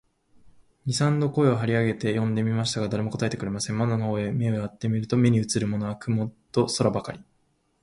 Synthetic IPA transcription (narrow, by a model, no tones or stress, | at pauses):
ɾʲisãnd̪o̞ko̞e̞oɦaɾʲiaɡe̞t̪e̞jõ̞nd̪e̞mʲimaɕi̥t̪aɡad̪aɾe̞mo̞ko̞t̪ae̞t̪ekɯɾe̞masẽ̞mːand̪onohoːe̞mʲe̞o̞jat̪ːe̞mʲiɾɯ̟t̪o̞mʲe̞ɲ̟iɯ̟t͡sɨɾɯ̟mo̞no̞akɯ̟mo̞t̪o̞so̞ɾabakaɾʲi